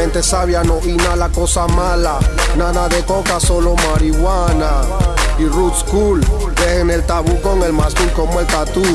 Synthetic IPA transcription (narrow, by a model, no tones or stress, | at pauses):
ẽnt̪esaβjanoʔinalakosamala | naðaðekokasolomaɾiɣwanairut̪skul | behenelt̪aβukoŋelmaskulkomoelt̪at̪u